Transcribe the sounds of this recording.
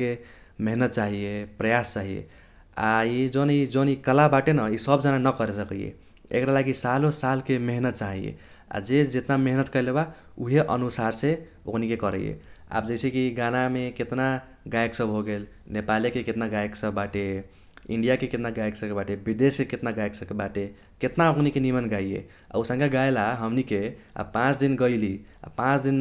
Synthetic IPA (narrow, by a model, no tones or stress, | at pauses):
ke | meɦnət̪̚t͡ʃaɦijepɾəjast͡ʃaɦijḛ | a̰id͡ʒonid͡ʒonikəlabaʈenəisəbd͡ʒananəkəɾesəkijḛ | ḛkɾalaɡisalosalkemeɦnət̪̚t͡ʃaɦijḛ | a̰d͡ʒed͡ʒet̪nameɦnət̪kəjleba | uɦeʔə̰nusaɾse | o̰kʰnikekəɾə̰jḛa̰p̚d͡ʒəjsʰekiɡanameket̪na | ɡajksəbʱɦoɡel | nepalekeket̪naɡajeksəbːaʈe | iɳɖijakeket̪naɡajksəbkebaʈebid̪eskeket̪naɡajksəbkebaʈe | ket̪naokʰnikenimənɡaiḛ | a̰usə̃ŋkaɡajlaɦəmnike | a̰pãt͡ʃd̪inɡəɪlia̰pãt͡ʃd̪in